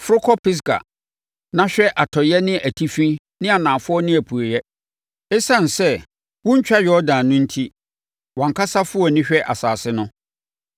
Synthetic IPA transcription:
fʊ˦ɾʊ˦kʰɔ˦pʰɪ˦s̬ka̰˨ | nã˦ɕᶣɛ˦ʔa˨tʰɔ˨jɛ˦nɪ̃˦ʔæ˨tʰi˦fĩ˦ | nɪ̃˦a˨nãː˨fʊ˦ɔ˦nɪ̃˦æ˨pʰu˨e˨jɛ˦ | ɛ˦sã˦˨n˨sɛ˦ | wʊ̃˦ɲ̩˦t͡ɕᶣa˦jᶣɔ˦dãː˨nʊ̃˦n̩˦tʰi˦ | wɔ̃˨ŋ̩˨kʰa˦sa˦fʊ˦ɔ˨nɪ̃˦ɕᶣɛ˦ʔa˨saː˨sɪ˦nʊ̃˦

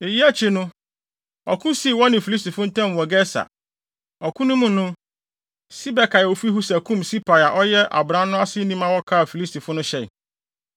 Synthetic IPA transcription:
e˨ji˦æ˦t͡ɕʰɪ˦nʊ̃˦ | ɔ˨kʰũ˦si˦˨wɔ˦nɪ̃˨fi˨li˦s̬ti˨fʊ̃˦n̩˦tʰɛ̃˦˨m˨wɔ˨ɡɛ˦sa̰˨ | ɔ˨kʰũ˦nʊ̃˦mũ˨˦nʊ̃˦ | si˦bɛ˨kʰa˨o˨fu˦i˦hu˦sæ˨kʰũ˦msi˦pʰa˨ja˨ʔɔ˦jɛ˦ʔa̰˨bɾã˦nʊ̃˦a˦sɪ˦nĩ˦mã˦wɔ˦kʰaː˦˨fi˨li˦stʰi˨fʊ̃˦nʊ̃˦ɕɛ˦˨

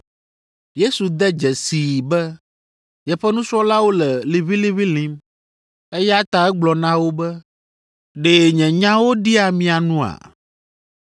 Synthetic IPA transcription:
je˦su˨d̪ɛ˦d͡ʒɛ˨si˨bɛ˦ | jɛ˨ɸɛ˦nũ˦sɔ˦la˦wo˦lɛ˨li˨βi˦li˦βi˦lĩ˦m | e˦jɛ˦a˦t̪a˦˨ɛ˦ɡ͡blɔ˨nã˦wo˦bɛ˦ | ɖeː˨ɲɛ̃˨ɲã˦wo˦ɖi˦a˨mĩ˨a˨nũ˦a̰˨

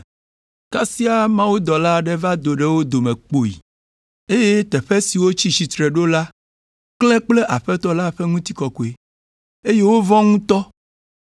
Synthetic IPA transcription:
ka˦si˦a˦˨mã˦wu˦d̪ɔ˨la˦ɖɛ˦va˦d̪o˨ɖe˨wo˦d̪o˨mɛ̃˨k͡po˨ḭ˨ | e˦je˦t̪ɛ˨ɸe˦si˨wo˦t͡ɕi˦t͡ɕi˨t̪ɾe˨ɖo˦la˦ | klɛ˦k͡ple˦ʔa˨ɸɛ˦t̪ɔ˦la˦ɸɛ˦ŋũ˦t̪i˦kɔ˨ko˨e˨ | e˦je˦wo˦vɔ̃˦ŋũ˦t̪ɔ˦

